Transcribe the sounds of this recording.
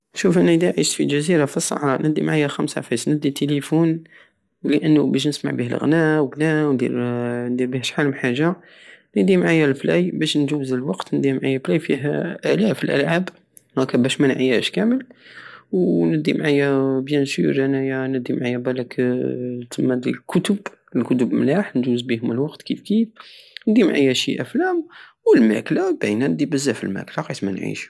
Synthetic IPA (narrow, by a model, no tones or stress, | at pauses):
ʃufʔænæd̪iʕiʃfilʒæziɾafisˤːɑ̰ħɾˤɑnəd̪ːimʕajːæxæmsa̰fæsnəd̪ːit̪ʰelifun | ləʔənːubæʃ̬nəsma̰ʕbihə̰lɣnæwəɡnæwnd̪ḭɾnd̪iɾbihæʃħaləmħaʒa | nəd̪imʕajːælflæ̰jbæʃnʒuwːzəlwɑqt̪nəd̪imʕajːæflæjfiɦʔælæfəlʔə̰lʕab | hækːæbæʃmænʕajæʃkæməlwnəd̪imʕajæbjænsuɾʔænæjænəd̪imʕajːæbælæk | t̪əmːæd̪ilkʰʊt̪əbəlkʊt̪əbmlaħnd̪uwzbihʊməlwɑqt̪kifkifnəd̪imʕa̰jːæʃiʔæflæmwəlmæ̰klæbæjnænəd̪ibəzːæfḭlmæ̰klaqɑt̪mæ̰nʕḭʃ